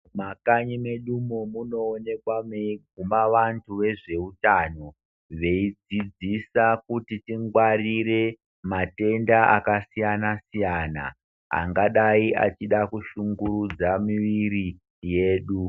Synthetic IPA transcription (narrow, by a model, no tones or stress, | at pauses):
makaɲime̞ɗumomuno̞ːne̞kwameɡʱumaʋantʰuʋe̞ʐe̞utano̞ | ʋe̞id͡zid͡zisakutitiŋɡwariɾe̞ | mate̞ndaa̰kasijanasijaːna̰ | a̰ŋɡaɗaiʔa̰t͡ʃiɗakuʃuŋɡuɾud͡zamiʋiɾi | je̞ːɗu